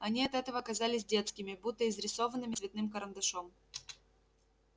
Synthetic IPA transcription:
ɐnʲiɐt̪ɛt̪əvəːkɐzalʲɪsʲdʲe̞t̪skʲɪmʲɪbut̪ːəɪzɾʲɪso̞vənːɨmʲɪsvʲɪt̪nɨmkəɾənd̪ɐʂom

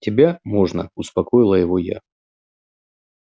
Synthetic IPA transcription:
tʲɪbʲamo̞ʐnə̰ʊspɐkojɪlˠəjɪvo̞ja̰

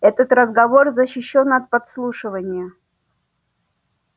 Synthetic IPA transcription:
ɛt̪ət̪ɾəzɡɐvo̞rzəɕːɪɕːo̞nɐt̪̚pɐt̪slˠuʂɨvənʲɪjə

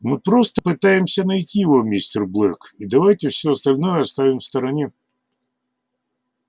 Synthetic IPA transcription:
mɪpɾɔst̪ɐpɪt̪ɑjemsʲɐnɐjtʲiɔmʲisʲt̪erblˠɛkid̪ɐʋajtʲɪwsʲɔɐst̪ɐlʲnɔjɛɐst̪aʋʲɪmwst̪ɐɾɐnʲi

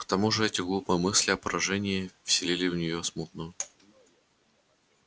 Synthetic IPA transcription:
kt̪ɐmuʐɨɛtʲɪɡlˠupəjmɨsʲlʲɪɐpəɾʔɐʐɛnʲɪːfʲsʲɪlʲilʲɪvnʲɪjosmut̪̚nʊjʊ

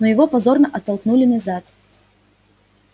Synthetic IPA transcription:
nojɪvopɐzornəʔɐt̪ːɐlˠknulʲɪnɐzat̪

